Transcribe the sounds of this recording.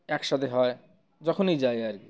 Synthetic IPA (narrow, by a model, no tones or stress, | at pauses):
ɛkʃat̪ʰeɦɔe | d͡ʑɔkʰonejd͡ʑaeaɾki